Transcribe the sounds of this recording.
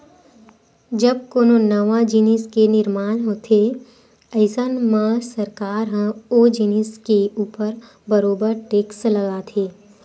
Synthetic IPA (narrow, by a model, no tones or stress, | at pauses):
d͡ʒəb̚koːnonɐʋad͡ʒiniskenɪɾmaːnɦoːt̪ʰe | ɐɪsənmãːsəɾkaːɾɦə̃oːd͡ʒiniskeuːpəɾ | bəɾoːbəɾʈeːkslɐɡat̪ʰeː